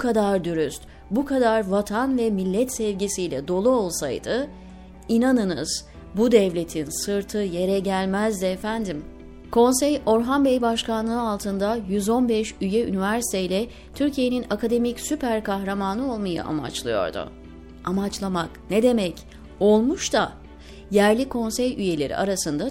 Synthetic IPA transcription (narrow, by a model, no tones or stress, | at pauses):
bkʰad̪aɾd̪yɾyst̪ | bukʰad̪aɾvat̪ʰanvɛmilʲːɛt̪sɛvɟisijlʲɛd̪o̞lˠuo̞lˠsajd̪̥ɯ | inanɯnɯz̥ | bud̪ɛvlʲe̞t̪ʰinsɯɾt̪ʰɯje̞ɾɛɟælʲmæzd̪ɪɛfænd̪im | kʰo̞nsɛjo̞ɾɦambɛjbaʃkanlˠɯɯalˠt̪ʰɯnd̪ajyzo̞nbɛʃyjɛy̰nivæɾsi̥t̪ʰejlʲɛ | t̪ʰyɾcʰije̞ninakad̪e̞micsypʰæɾkʰaxɾamaːnɯo̞lˠmaja̰ʔa̰ma̰t͡ʃlˠɯjo̞̰ɾd̪ʊ̰ | amat͡ʃlˠamakned̪e̞mɛc | o̞lˠmuʃt̪a | jæɾlʲikʰo̞nsɛjyje̞lʲe̞̰ɾḭʔaɾasɯnd̪a